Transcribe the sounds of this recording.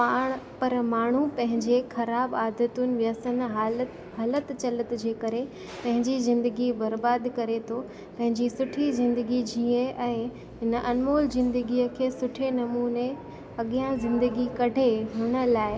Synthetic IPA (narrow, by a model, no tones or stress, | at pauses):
paːɽ̃pɐɾmaːɳ̤upɐ̃ɦɪ̃ɲd͡ʑexɐɾaːbaːd̪ət̪unɪ̆ʋjəsən̆ɦal | ɦɐlət̪t͡ɕɐlət̪d͡ʑeːkɐɾe | pɐ̃ɦɪ̃ɲd͡ʑizɪ̃nd̪əɡibɐɾbaːd̪kɐɾet̪ʰo | pɐ̃ɦɪ̃ɲd͡ʑisʊʈʰizɪ̃nd̪əɡid͡ʑʱiẽʔɛ̃ː | ɦɪnəʔɐnmoːlzɪ̃nd̪əɡiəkʰeːsʊʈʰenɐmuːne | ɐɠijãzɪ̃nd̪əɡikɐɖʱeɦʊɽ̃ə̆laːɪ